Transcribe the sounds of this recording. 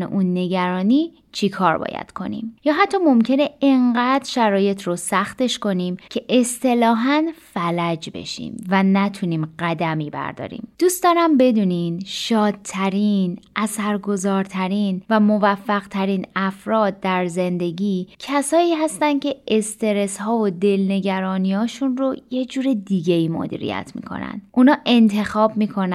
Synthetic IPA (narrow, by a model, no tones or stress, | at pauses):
nḛʔunːe̞ɟæɾɒːniː | t͡ʃʰikʰɒːɾbɒ̰ːjæ̰d̪̥kʰo̞̰nḭmjɒːɦæt̪ʰːɒːmo̞mcʰe̞ne̞eŋɢæd̪ʃæɾɒːje̞t̪ʰrosæxt̪e̞ʃko̞nimcʰe̞ʔe̞st̪e̞lɒːɦænfælæd͡ʒbe̞̰ʃḭmvænæt̪ʰuniːmɢæd̪æmiːbæ̰ɾd̪ɒ̰ːɾḭːmd̪̥uːst̪ɒɾæmbe̞d̪uːninʃɒːd̪̚t̪ʰæɾiːnʔæsæɾɡo̞zɒːɾt̪ʰæɾiːnvæmovæfːæɣ̥t̪ʰæɾiːnæfɾɒːd̪̚ːæɾze̞nd̪e̞ɟiːcʰæsɒːiːɦæst̪ænd̪̥cʰe̞ʔest̪e̞ɾe̞shɒːvod̪e̞lne̞ɟæɾɒːniɒːʃunɾo̞je̞d͡ʒuːɾed̪iɟe̞iːmo̰d̪ḭːɾḭjæ̰t̪ʰmḭːkʰo̞̰næ̰nd̪̥ʔunɒːʔe̞nt̪ʰe̞xɒːb̚miːkʰo̞n